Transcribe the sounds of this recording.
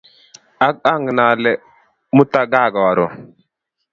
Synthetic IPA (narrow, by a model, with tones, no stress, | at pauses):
a˦ka˦ŋɡə˨na˨le˨ | mu˦ta˦ɡa˦˨ɡa˨wa˨ɾo˨